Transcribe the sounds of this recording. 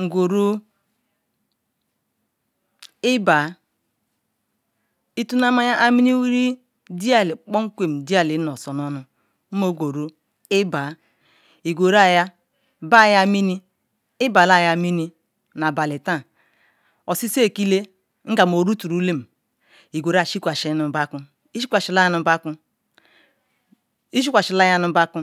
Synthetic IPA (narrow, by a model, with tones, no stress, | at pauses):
ŋ̩˨ɡʷo˨ɾu˦ | ɪ˦ba˨ | i˦tu˦na˦ma˦ja˦ʔa˦mi˦ni˦wi˦ɾi˦ | di˦a˦li˨k͡pɔ˦ŋ̩˦kʷe˨m̩˨di˦a˨li˨˦nɔ˨sɔ˨nɔ˦nʊ˦ | m̩˦mo˨ɡʷo˨ɾu˦ | ɪ˦ba˨ | i˨ɡo˨ɾa˦˨ja˦ | ba˦˨ja˦mi˦ni˦ | ɪ˦ba˨la˦˨ja˦˨mi˦ni˦ | na˨ba˨li˨ta˦˨ | o˨si˦se˦˨ki˦le˦ | ŋ̩˦ɡa˨m˨o˨ɾu˦tu˨ɾu˦le˦m̩˨ | i˨ɡʷo˨ɾa˨ʃi˦kʷa˨ʃi˦nu˨˦ba˦ku˦ | i˦ʃi˦kʷa˨ʃi˨˦la˦a˦nu˨˦ba˦ku˦ | i˦ʃ̬i˦kʷa˨ʃi˨la˦ja˦nu˨˦ba˦ku˦